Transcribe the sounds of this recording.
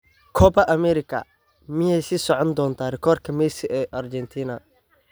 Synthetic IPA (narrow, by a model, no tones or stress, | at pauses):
kʰɔbɐʔɐmɛɾɪkʰɐ̰ | mɪjɛjsiːsɔʕɔnd̪ɔːnt̪ʰaːrɪkʰɔːrkʰɐmɛjsɪʔɛʔɐrt͡ʃɛnt̪ʰiːnɐ